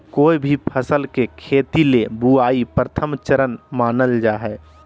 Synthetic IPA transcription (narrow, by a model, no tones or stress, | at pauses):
koːibʱipʰəsəlkekʰeːt̪ilebuaːipɾət̪ʰəmt͡ʃəɾənmaːnəld͡ʒaːɦɛː